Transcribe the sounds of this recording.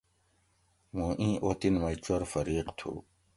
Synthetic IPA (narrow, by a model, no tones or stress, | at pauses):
mũːʔĩːʔot̪inmɐjt͡ɕɐɾfɐɾiːqt̪ʰṵː